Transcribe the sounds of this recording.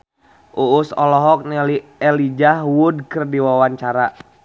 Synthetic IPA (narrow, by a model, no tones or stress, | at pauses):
ʔuːsɔlɔɦɔk̚nɛliɛlid͡ʒahwudkɨrdiwawaɲt͡ʃaɾa